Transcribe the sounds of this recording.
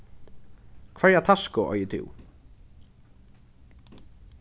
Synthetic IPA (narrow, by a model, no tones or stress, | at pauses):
kʰvɛɹjat̪ʰaskʊʔɔ̰jət̪ʰɪ̰w